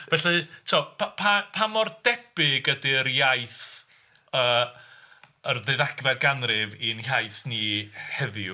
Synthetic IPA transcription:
vɛɬɛtʰiɔpʰapʰapʰamɔrd̥ɛb̥ɪɡədiəɾjajθ | əː | ərðeðaɡvad̚ɡanrɪvinhajθnihɛðɪ

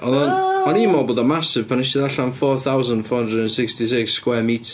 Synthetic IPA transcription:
ɔðɔnmanimɔboːdamasɪv̥pʰanɪʃtɪðaɬanfɔːθawzənd̥fɔːhə̃ndrədə̃nsɪkstis̬ɪksːkwɛmitʰ

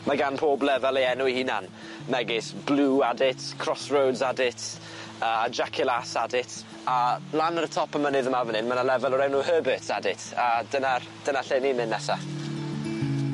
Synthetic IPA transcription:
maɡanpʰoːblɛvɛlˠiɛnʊihina̰n | mɛɡɪsb̥luːadɪtʰkʰr̥ɔsrowdzadɪt | əd͡ʒakʰɪlˠasadɪtʰ | alˠanəɾətʰɔpəmənɪðəmavənɪnmanalɛvɛlˠɔɾɛwnuɦəːbətsa̰dɪtʰad̥ənar | d̥ənaɬeːnimɪnːɛsa

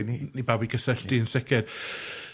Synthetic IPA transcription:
ninibabiɡəsɛɬd̥iənsɪkʰɪr

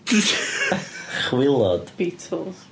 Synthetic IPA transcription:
b̥i | χwɪlˠɔd̥b̥iːtʰl̩ˠz̥

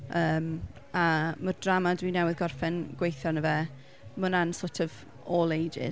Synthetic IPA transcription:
əːm | amərd̥ramadwinɛwɪðɡɔrfɛnɡ̥wejθjɔnəvɛ | mənansoːtʰɔv | oːlˠejd͡ʒɪ̰

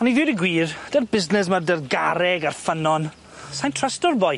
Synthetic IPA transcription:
ɔniðɪwɾiɡwiːrd̥ɛrbɪznɛsmardɛrɡaɾɛɡarfənɔn | sajntʰrəstɔrbɔj

